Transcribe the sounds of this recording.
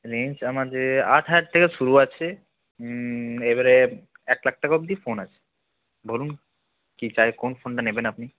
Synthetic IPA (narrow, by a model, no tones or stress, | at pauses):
ɾent͡ɕamad͡ʒea̰ʈʰaaʈ̚t̪ʰekeʃuɾuat͡ɕʰe | ebaɾe | ɛk̚lak̚ʈakɔb̚d̪ifonat͡ɕʰe̥ | bolun | kit͡ɕaekonfonʈanebenapni